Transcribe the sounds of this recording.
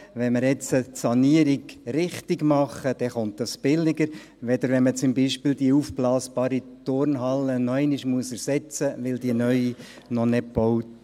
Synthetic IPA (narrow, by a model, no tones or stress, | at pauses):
ʋɛnməɾjɛt͡sətsɑniəɾiɡɾɪχtɪɡmɑχəd̥ɛχontd̥ɑsb̥ɪlɪɡəɾ | ʋɛd̪əɾʋɛnmət͡sʊmbiʃpɪːld̪iəufblɑːsbɑːɾitʊrnɦɑlːənɔɛɪniʃmuəsɛɾsɛt͡səʋɪldiənœʏi | nɔnɛb̥ɔwt